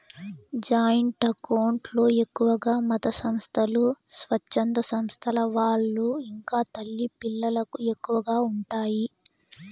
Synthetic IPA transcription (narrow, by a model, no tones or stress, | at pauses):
d͡ʒaːjɐɳʈɐkɐwɳʈlo̞ːe̞kːuʋɐɡaːmɐt̪ɐsɐmst̪ʰɐlusʋɐt͡ʃːɐnd̪ɐsɐmst̪ʰɐlɐʋaːɭːuiŋkaːt̪ɐlːipilːɐlɐkue̞kːuʋɐɡaːuɳʈaːji